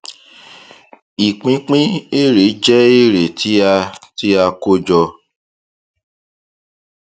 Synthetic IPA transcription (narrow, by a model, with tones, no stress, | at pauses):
i˨k͡pĩ˧˦k͡pĩ˦e˦˨ɾe˨˦d͡ʒɛ˦e˦˨ɾe˨tʰi˦a˧ti˦a˧ko˦d͡ʒɔ˧